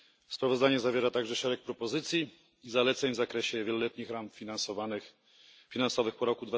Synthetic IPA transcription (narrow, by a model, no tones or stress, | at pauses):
spɾavɔzd̪aɲɛzavʲjɛɾat̪aɡʐɛʂɛɾɛk̚pɾɔpɔzɘt̪sʲji | izalɛt̪sɛɲvzakɾɛɕɛvʲjɛlɔlɛt̪ɲixɾamfʲinansɔvanx | fʲinansɔvɘxpɔɾɔkud̪va